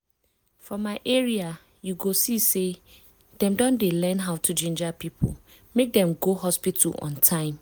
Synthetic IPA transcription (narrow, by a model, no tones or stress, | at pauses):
fɔmaɪʔeɹia | juɡosise | d̥ɛ̃mdɔ̃ndelɛ̃nɦaʊtʰud͡ʒĩnd͡ʒapipʰṵl | mek̚dɛ̃mɡoɦɔspitʰṵlɔ̰̃ntʰãɪ̃m